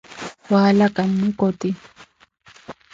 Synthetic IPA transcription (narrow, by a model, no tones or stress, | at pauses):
waːlakam̩mikɔt̪i